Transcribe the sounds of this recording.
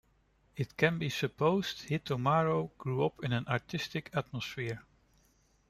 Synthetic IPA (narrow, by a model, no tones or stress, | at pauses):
ɪt̚kʰɨ̃nbisɨpʰoʊz̥thɪtʰəmɑɹoʊɡ̥ɹuʌpʰɪ̃nɨ̃nʔɑɹtʰɪstɨkʰæt̚məsfɪɹ